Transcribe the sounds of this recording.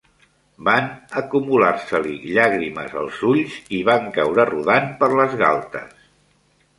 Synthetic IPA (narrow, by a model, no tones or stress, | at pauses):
banəkumulaɾsəlḭʎaɣɾimə̰zə̰lˠzuʎziβaŋkawɾəruðanpəɾləzɣa̰lˠt̪ə̰s